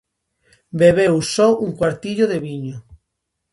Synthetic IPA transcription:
beβewsɔuŋkwaɾt̪iʎoðeβiɲo

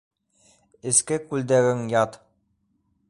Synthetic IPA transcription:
ɘ̆skɘkʉld̪æɾɘŋjɑt̪

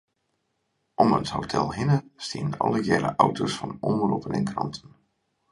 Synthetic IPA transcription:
ʔɔməthotʰɛlˠɦɪnəstiəənʔɔlˠəjɛɾə̰ʔawtʰosfɑnɔmrupənɛnkrɑntʰən

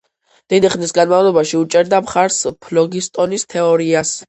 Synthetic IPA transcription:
d̪̥ɛniχnisɡanmavlˠɔbaʃiut͡ʃʼɛɾd̪amχaɾspʰlɔɡist̪ʼɔnist̪ʰɛɔɾias

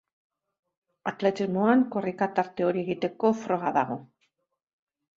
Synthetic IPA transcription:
at̪le̞t̪izmoaŋkorikat̪aɾt̪eoɾieɣit̪e̞ko̞fɾoɣaða̰ɣ̞o̞

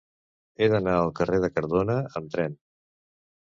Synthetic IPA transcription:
eðənaəlˠkəreð̞əkəɾðonəəmt̪ɾɛn

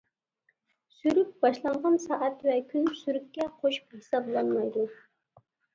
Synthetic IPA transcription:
syɾyp̚b̥ɑʃlˠɑɴʁɑnsɑːʔɛt̪vɛkʲʰynsyɾyp̚kʲɛqʰoʃu̥phisɑblˠɑnmɑjd̪u

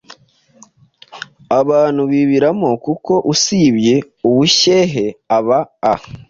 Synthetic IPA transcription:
aβaːn̥huβiβiɾamo̞kuko̞ʔusiβje̞ | uβuçe̞ɦe̞aβaː

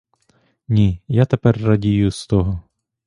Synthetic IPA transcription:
nʲijat̪epɛrːɐdʲijust̪ɔɦɔ

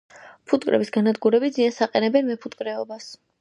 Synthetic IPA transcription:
pʰut̪ʼkʼɾʔɛ̰bisɡanad̪ɡuɾɛbid̪ziansaqʼɛnɛbɛnmɛpʰut̪ʼkʼɾɛɔbas

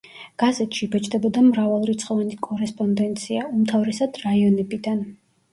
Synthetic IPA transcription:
ɡ̥azɛt̪ʃibɛt͡ʃʼd̪ɛbɔd̪amɾavalˠuɾit̪sʰχɔvanikʼɔɾɛspʼɔnd̪ɛnt̪sʰiaumt̪ʰavɾɛsad̪̥ɾaiɔnɛbid̪an

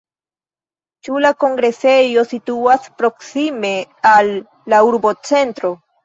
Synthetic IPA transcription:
t͡ʃulako̞ŋɡɾe̞se̞jo̞situaspɾo̞ksime̞alː | auɾbo̞t͡se̞ntɾo̞

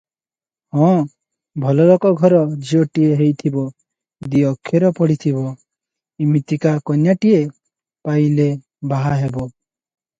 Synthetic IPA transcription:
hɔ̃ | bʱɔlɔlɔkɔɡʱɔɾɔd͡ʒiɔʈieɦejt̪ʰibɔ | d̪iɔkʰːeɾɔpɔɽit̪ʰibɔ | imit̪ikakɔnjaʈie | pajle | baɦaɦebɔ

